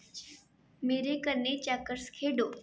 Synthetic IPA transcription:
meːɾekəɾnːet͡ɕakəɾskʰeɖo

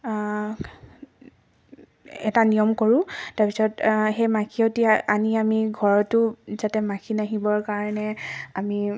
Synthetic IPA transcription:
ɛtanijɔmkoɹʊ̃taɹpisɔtxejmakʰiotianiamiɡʱɔɹɔtʊzatɛmakʰinaɦibɔɹkaɹɔnɛami

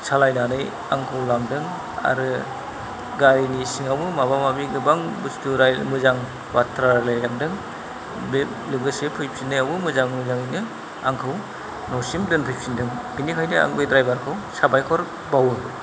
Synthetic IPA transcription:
salajnanɯj | a̰ŋkʰawlamdɯŋ | a̰ɾɯ | ɡaɾinisiŋawbɯmabamabiɡɯbaŋbustuɾajmɯzaŋ | watʰɾalajjamdɯŋ | be | lɯɡɯsepʰɯjp̚sinːɯjawbɯmɯzaŋmɯzaŋɯjnɯ | aŋkʰɯw | nɔsimdɯnpʰɯjp̚sindɯŋɡ̥inikʰajdɯa̰ŋbedɾajbaɾkʰawsabajkʰɔɾ | bawɯ

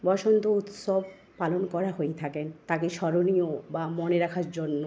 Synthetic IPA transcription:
bɔʃont̪out̪ʃob̚ʱ | palonkɔɾaɦojt̪ʰakent̪akeʃɔɾoniobamoneɾakʰaɾd͡ʑonːo

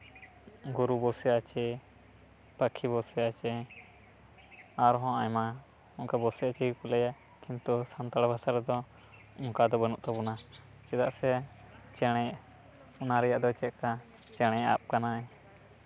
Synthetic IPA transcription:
ɡuɾubɔsɛjat͡ʃɛ | pəkʰibɔsɛjat͡ʃɛ | aɾɦɔ̃ʔajma | uŋkabɔsɛjat͡ʃɛipulɛja | kint̪usant̪aɽbasaɾɛd̪ɔ | uŋkad̪ɔbənuʔt̪abuna | t͡ʃɛd̪aʔsɛ | t͡ʃɛɽ̃ɛj | unaɾɛjaʔd̪ɔt͡ʃɛt̪̚ka | t͡ʃɛɽ̃ɛ̃ja̰p̚kanaɛ

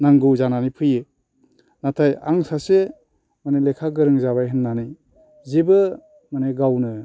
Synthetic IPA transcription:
naŋɡɯwzananipʰɯje | natʰajaŋsase | manelekʰaɡɯɾɯŋzaβajɦɯnːanij | zibɯ | maneɡawnɯ

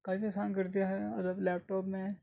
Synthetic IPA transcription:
kaːipiɐsaːnkɐɾd̪ijaɦɛɐd̪əblɛːp̚ʈɔːpmẽ

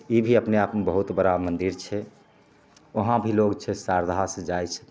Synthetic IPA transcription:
ibʱiəpneapmebəɦut̪bəɾamənd̪iɾt͡ʃʰɛ | əɦãbʱiloɡt͡ʃʰɛsaɾd̪ʱasəd͡ʒajt͡ʃʰ

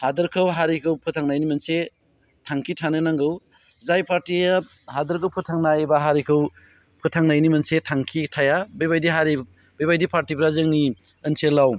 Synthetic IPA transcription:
hadɯɾkʰɯwɦaɾikʰɯwpʰɯtʰaŋnajnimɐnse | tʰaŋkʰitʰanɯnaŋɡɯw | zajpʰaɾtia | hadɐɾkʰɯwpʰutʰaŋnajbaɦaɾikʰɯw | pʰɯtʰaŋnajnimɐnsetʰaŋkʰitʰajabejbajdiɦaɾi | bəjbajdipʰaɾtibɾazɯŋni | ənsʰelaw

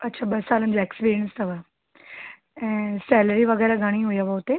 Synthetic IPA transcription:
ɐtːɕʰaːɓɐsaːlənɪ̆d͡ʑoːekspiːɾijə̃nst̪ɐʋa | ɛ̃ːsɛːləɾiʋɐɣɛːɾaɡʱɐɽ̃iɦujaʋaʊt̪e

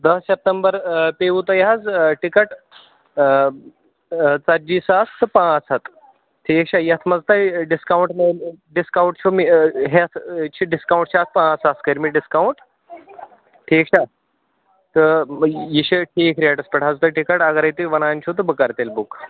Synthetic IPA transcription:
d̪ɐssep̚ʈ̪əmbəɾpeʋut̪ɐjɦad͡zʈikəʈ | t͡saɾd͡ʑiːsast̪ʰɨpãt͡sɐt̪ | ʈʰːikɕʰaːjɐt̪ʰmɐd͡zt̪ajɖiskawuɳʈmeɖiskawɳʈt͡ʃʰomiɦet̪ʰt͡ʃʰiɖiskawũɳʈt͡ɕʰaːt̪̚ʰpãːt͡saskɐjiɾmiːɖiskauɳʈ | ʈʰiːkɕʰa | t̪əjiɕiʈʰiːkʰɾiaʈɐspɐʈad͡zt̪aʈikəʈɐɡɐɾɐjt̪iʋɐnaːnt͡ɕʰut̪əbəkaɾt̪elbuk

